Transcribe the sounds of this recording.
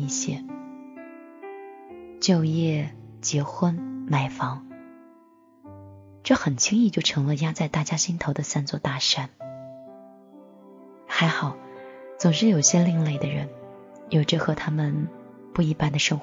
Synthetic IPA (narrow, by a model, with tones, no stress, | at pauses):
i˥˩ɕjɛ˥ | t͡ɕjo˥˧ʊjɛ˥˩t͡ɕjɛ˧˥xwə˥nma˨˧˩ɪfɑ˧˥ŋ | ʈ͡ʂɤ˥˩xə˨˩nt͡ɕʰi˥ŋi˥˧t͡ɕjo˥˩ʊʈ͡ʂʰɤ˧˥ŋlə˧ja˥˩t͡sa˥˩ɪt̪a˥˩t͡ɕja˥ɕi˥nt̪ʰo˧˥ʊd̪ə˧sa˥nt͡swɔ˥˧t̪a˥˩ʂa˥n | xa˧˥ɪxɑ˨˩˦ʊt͡sʊ˨˩ŋʂɻ̩˥˩jo˨˩ʊɕjɛ˥li˥˧ŋle˥˩ɪd̪ə˩ɻə̰˧˥n | jo˨˩ʊʈ͡ʂɤ˥˩xɤ˧˥t̪ʰa˥mə˨n | pu˥˩i˧˥˩pa˥nd̪ə˨ʂɤ˥ŋx